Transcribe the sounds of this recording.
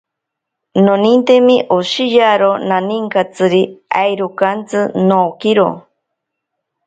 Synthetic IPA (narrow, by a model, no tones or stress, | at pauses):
nonint̪emiʔoʃijaɾonaniŋkat͡sɨɾia̰jɾukant͡sɨnoːkiɾo̰